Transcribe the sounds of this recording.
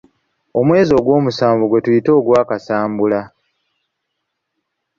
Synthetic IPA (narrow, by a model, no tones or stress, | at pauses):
o̞mwe̞ːzio̞ːɡwo̞ːmusaːɱvuɡwe̞tujito̞ːɡwaːkasaːmbula